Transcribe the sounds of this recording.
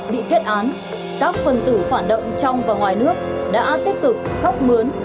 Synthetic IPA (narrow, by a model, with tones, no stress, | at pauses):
ɓḭ˧˨ke˦˥t̚ʔaː˨˦n | kaː˦˥k̚fə˨˩nt̪ɨ˧˩faː˧˩nɗo̰˧˨wŋ͡mt͡ɕɔ˧wŋ͡mvaː˨˩wŋwaː˨˩jnɨ˦˥ək̚ɗa̰ː˧˥t̪i˦˥p̚t̪ɨ˨˩k̚xɔ˦˥k͡p̚mɨ˨˦ən